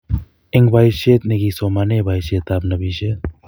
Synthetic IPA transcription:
eŋbʱajset̪̚neɡisɔmanebʱajset̪ab̚nəbise

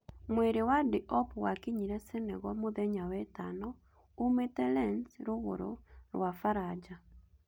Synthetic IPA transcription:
mweɾewadiʔɔpwakiɲiɾɛsenɛɣɔmoðɛɲawɛtanɔ | umetɛlɛnsɾuɣo̰ɾo̰ɾwafaɾad͡ʒa

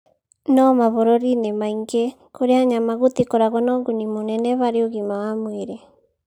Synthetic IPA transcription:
nɔmaβɔɾɔɾinemaiŋɡɛ | koɾeaɲamaɣot̪ikoɾaɣɔnɔːŋɡunimonɛnɛβaɾeoɣimawamweɾɛ

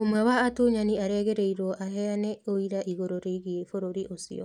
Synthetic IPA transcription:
omwɛwaːtoɲaniaɾeɣeɾeiɾɔʔaɦɛaneoiɾaʔiɣoɾoɾeiɣiefoɾoɾiʔosḭo̰

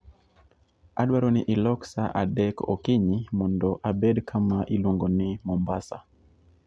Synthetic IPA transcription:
aɗwaɾɔniʔilɔksaʔadɛkɔ̰kiɲimɔndɔʔabɛdkʰamaʔiluŋɡɔnimɔmbasa̰

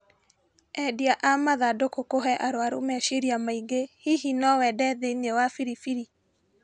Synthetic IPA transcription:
ɛdiaʔamaðadokokoɦɛʔaɾwaɾo̰mɛʃiɾiamaiɡehihinɔwɛdɛðeɲewafiɾifiɾi

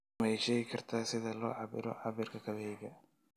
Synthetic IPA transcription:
mjʃɛɣɪkʰɐrt̪ʰaːsɪðɐlɔːʕɑβɪ̰ɾɔ̰ʕɑβiːrkʰɐkʰɐβɛɛjɡɐ

